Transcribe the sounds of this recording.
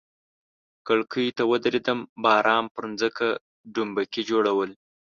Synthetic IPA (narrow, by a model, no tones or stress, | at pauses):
kəɭkʰəjt̪awəd̪ɾed̪əmbɑːɾʔɑːmpəɾnzəka | ɖumbakid͡ʒoɽawəl